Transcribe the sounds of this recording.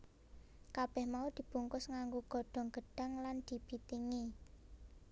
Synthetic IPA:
kab̥ɛhmaud̪̥i̤b̥uŋkʊsŋaŋɡuɡ̥ɔ̤ɖ̥ɔ̤ŋɡ̥ə̤ɖ̥a̤ŋland̪̥i̤b̥it̪iŋi

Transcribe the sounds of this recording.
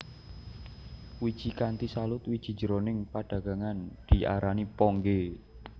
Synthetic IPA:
wid̥ʒ̥i̤kant̪isalʊt̪wid̥ʒ̥i̤̥d͡ʒəɾonɪŋpaɖ̥ä̤ɡ̥a̤ŋand̪̥i̤ʔa̰ɾanipɔŋɡe

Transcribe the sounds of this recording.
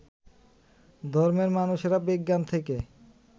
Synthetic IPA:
d̪ʱɔɾmeɾmanuʃeɾabiɡːant̪ʰeke

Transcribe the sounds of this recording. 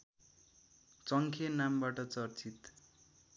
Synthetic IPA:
t͡sʌŋkʰenambaʈʌt͡sʌrt͡sit̪

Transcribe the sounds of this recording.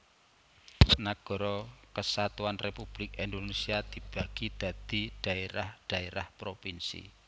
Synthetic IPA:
naɡ̥ɔ̤ɾɔkəsat̪uanrepub̥lɪkind̪onesiad̪̥i̤b̥ä̤ɡ̥id̪̥a̤d̪̥i̤ɖ̪̥ä̤eɾahɖ̥a̤eɾahpɾopinsḭ

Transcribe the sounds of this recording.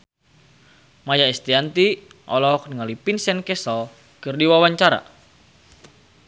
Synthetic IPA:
majaɛst̪iant̪iʔɔ̰lɔk̚niŋalipinsɛnkɛsɔl | kɨrdiwawaɲt͡ʃaɾa̰

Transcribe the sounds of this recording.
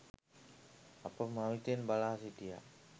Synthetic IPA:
apəmawit̪enbalaɦsit̪ija̰

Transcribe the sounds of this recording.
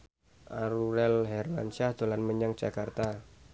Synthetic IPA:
ʔaɾuɾɛlɦɛrla̰nt͡ʃahd̪̥o̤lanməɲaŋd͡ʒ̥akart̪a

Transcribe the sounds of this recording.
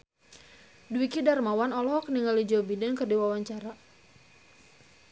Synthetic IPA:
duwikidarmawanɔlɔɦɔkniŋalid͡ʒɔbidankərdiwawaɲt͡ʃaɾa

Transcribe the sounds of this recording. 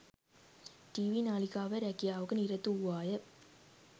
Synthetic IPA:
ʈiʋinaːlikaːʋɐɾækijaːʋɯkɯniɾɐt̪ːuwaːjɐ

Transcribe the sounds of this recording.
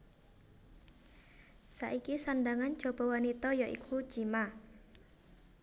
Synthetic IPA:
sa̰ʔikisandaŋan̥d͡ʒ̥ɔ̤b̥ɔwanit̪ɔjaʔḭkʰu̥d͡ʒima

